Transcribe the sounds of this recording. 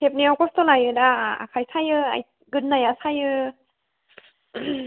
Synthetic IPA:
tʰep̚neawkɔstɔlajɯdaa̰kʰajsʰajɯa̰j | ɡɯnnːajasʰajɯ

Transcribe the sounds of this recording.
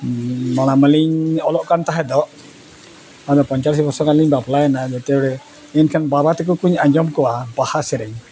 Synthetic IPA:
mɔɽ̃aməliɲɔlɔʔkant̪aɦɛd̪ɔʔ | ad̪ɔpɔɲt͡ʃaɾsbɔɾsɔkaliɲbaplajnad͡ʒɛt̪ɛɔɽɛ | ɛnkʰanbabat̪ɛk̬ɔkuɲaɲd͡ʒɔmkɔwabahasɛɾɛɲ

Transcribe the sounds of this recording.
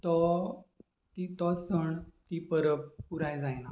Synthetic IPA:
t̪ɔ | t̪it̪ɔsəɳt̪ipəɾəppuɾajd͡zajna

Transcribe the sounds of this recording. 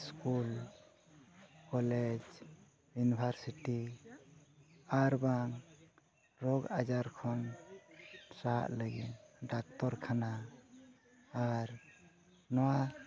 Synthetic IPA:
skul | kɔled͡ʒ | junibʱaɾsiʈi | aɾbaŋ | ɾɔɡad͡ʒaɾkʰɔn | saʔləɡitɖak̚t̪ɔɾkʰana | ɾ | nɔwa

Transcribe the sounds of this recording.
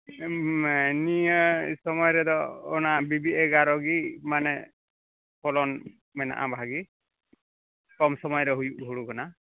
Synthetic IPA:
mɛniəsɔmɔjɾɛd̪ɔːnabibiʔɛɡaɾɔɡimanɛ | pʰɔlɔn | mɛna̰ʔa̰baɦaɡi | kɔmsɔmɔjɾɛɦujuʔɦuɽukana

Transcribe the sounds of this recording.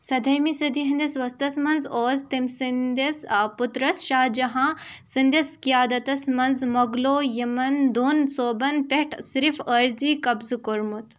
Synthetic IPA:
sɐd̪ʱɐjmisɐd̪iɦɐnd̪ʲɐsʋɐst̪ɐsmɐnzoːzt̪ɐmsind̪ɐsput̪ɾɐsʃaːd͡ʒɐɦãːsind̪ʲɐskijaːd̪ɐt̪ɐsmɐnzmɐɡloːjɐmɐnd̪oːnsoːbɐnpeʈʰsɾifəɾziːkɐbzɨkoɾmut̪

